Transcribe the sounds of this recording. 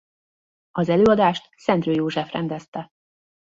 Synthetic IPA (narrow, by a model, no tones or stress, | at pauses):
ɒzɛløːɒd̪aːʃt̪sɛnt̪røːjoːʒɛfrɛ̰nd̪ɛst̪ɛ